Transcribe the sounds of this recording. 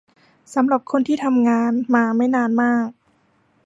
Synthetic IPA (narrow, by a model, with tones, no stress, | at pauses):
sa˩˦mɾa˨˩p̚kʰo˧nt̪ʰiː˥˩t̪ʰa˧mŋaː˧nmaː˧ma˥˩jnaː˧nmaː˥˩k̚